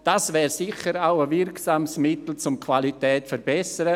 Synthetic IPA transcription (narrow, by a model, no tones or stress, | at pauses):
d̥asvɛːɾsɪçəɾaʊəvɪɾksaːmsmɪtl̩t͡sʊmkʰvalitɛːtfəɾbɛsəɾə